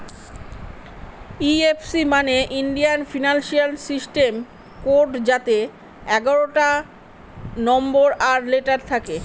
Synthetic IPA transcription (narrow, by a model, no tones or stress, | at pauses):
iefsimaneʔinɖijanfinanʃialsisʈem | koɾɖd͡ʑat̪e | ɛɡaɾoʈa | nɔmboɾaɾleʈaɾt̪ʰake